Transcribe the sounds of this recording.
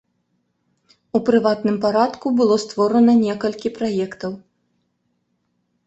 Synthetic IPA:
upɾɨvat̪nɨmpaɾat̪kubɨlˠɔst̪vɔɾɐnɐnʲɛkɐlʲkʲipɾajɛkt̪ɐw

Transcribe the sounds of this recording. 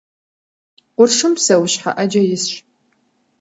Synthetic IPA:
ʊrʂɨmsɐwɕħa̰ʔɐd͡ʒɐjɪsɕ

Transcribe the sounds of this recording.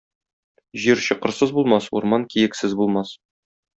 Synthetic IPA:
ʑiɾɕɤ̆qɤ̆ɾsɤzbulˠmɑsṵɾmɑnkijɘ̆ksɘzbulˠmɑs

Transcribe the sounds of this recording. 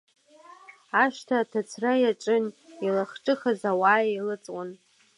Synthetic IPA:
aʃtʰaːtʰat͡sʰrajaʈ͡ʂʼɨnilaχʈ͡ʂʼɨχazawaːjilɨt͡sʼwʷʼʊn

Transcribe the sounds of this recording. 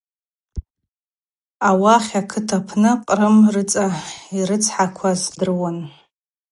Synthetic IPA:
awaχʲakʰɨtʰapʰnɨqʼrɨmrɨt͡sʼaiɾɨt͡sʰħakʷʰazdɨrwan

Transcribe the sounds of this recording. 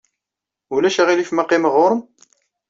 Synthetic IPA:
ʊlæʃæʁilifmaqːiməʁʊɾəm

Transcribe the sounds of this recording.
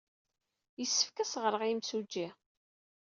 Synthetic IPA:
jəsːə̥fkæsʁəɾˤəʁimsud͡ʒːi

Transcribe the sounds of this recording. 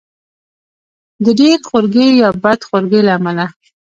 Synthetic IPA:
d̪əɖexoɾɡejɑbad̪xoɾɡelaːmala

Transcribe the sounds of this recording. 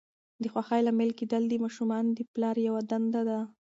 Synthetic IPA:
d̪əxwaxajlamɪlkid̪ald̪imɑʃumɑnd̪əplɑɾjawad̪and̪ad̪a

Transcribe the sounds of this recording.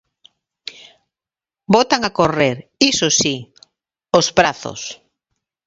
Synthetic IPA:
bot̪aŋakoreɾisosi | ospɾaθo̰s

